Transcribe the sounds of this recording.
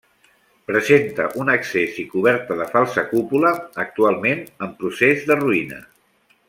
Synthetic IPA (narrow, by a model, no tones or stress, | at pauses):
pɾəzent̪ə̰ʔunəksezikuβ̞ɛɾt̪əðəfalˠsəkupuləːk̚t̪ualˠmenəmpɾusezðəruinə̰